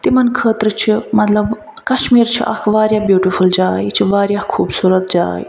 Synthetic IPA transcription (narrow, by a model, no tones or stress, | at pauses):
t̪imɐnkʰəːt̪ɾət͡ʃʰimɐt̪lɐb | kɐʃmiːɾt͡ʃʰḭʔɐ̰kʰʋaːɾʲjaːbjuːʈifʰuld͡ʒaːjt͡ʃʰiʋaːɾjakʰuːbsuːɾət̪̚d͡ʒa̰ːj